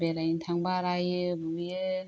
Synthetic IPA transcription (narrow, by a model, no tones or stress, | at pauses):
beɾajintʰaŋbaɾajɯbujɯ